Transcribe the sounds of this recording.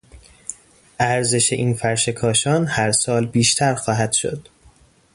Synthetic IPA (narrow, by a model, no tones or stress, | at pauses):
ʔæɾze̞ʃe̞ʔiːnfæɾʃe̞kʰɒːʃɒːnhæɾsɒːlbiːʃt̪ʰæɾxɒːɦæd̪̥ʃo̰d̪̥